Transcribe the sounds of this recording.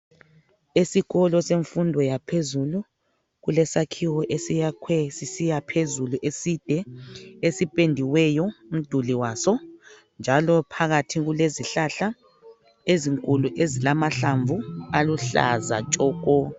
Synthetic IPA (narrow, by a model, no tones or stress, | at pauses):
esiɣɔlɔseɱfundʱɔjapʰezulu | ɣulɛsakʰiwɔʔesijakʰwɛsisijapʰezuluʔesid̥ʱɛesipʼendʱiwɛjɔum̩d̥ʱuliwasɔ | nd͡ʒʱalɔpʰaɣatʰiɣuleziɬaɬa | eziŋkʼuluʔezilamaɬaɱvʱualuɬa̰za̰t͡ʃʼɔːkʼɔ